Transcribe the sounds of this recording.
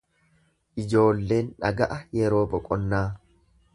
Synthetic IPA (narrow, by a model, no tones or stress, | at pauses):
ʔɪd͡ʒo̞ːlːe̞ːnᶑɐ̰ɡɐʔɐjɛɾo̞ːbɔkʼɔnːaː